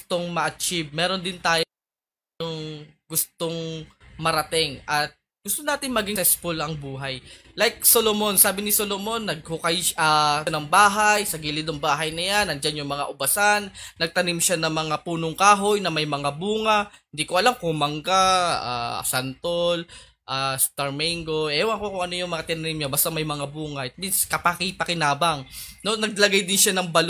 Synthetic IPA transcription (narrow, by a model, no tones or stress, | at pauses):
t̪oŋmɐʔɐt͡ʃɪb̚mɛːɾo̞nd̪ɪnt̪aːj | ʊŋɡʊst̪oŋmɐɾɐt̪ɪŋʔɐt̪̚ | ɡ̥ʊst̪onaːt̪ɪnmɐɡiŋsɛsfʊlɐŋbuːɦɐjlajk̚solomo̞nsaːbɪnɪsolomo̞nːɐɡ̚hokɐjɐnɐŋbaːɦajsɐɡiːlɪd̪ɐŋbaːɦɐjnɐjanɐŋd͡ʒanjʊŋmɐŋa̰ʔʊbɐsanːɐɡ̚t̪ɐnimʃanɐŋmɐŋapuːnoŋkaːɦo̞jnɐmɐjmɐŋabuːŋɐhɪnd̪ikoʔɐlamkʊmɐŋɡaa̰ːsant̪ol | ʔast̪ɐɹmɛŋɡo̞ʔɛːwɐŋkokʊŋɐnojʊŋmɐŋat̪ɪnɐnimɲobɐst̪ɐmɐjmɐŋabuːŋɐɛt̪̚minskɐpakipɐkɪnaːbɐŋno̞nɐɡ̚lɐɡajd̪ɪnʃanɐŋbɐl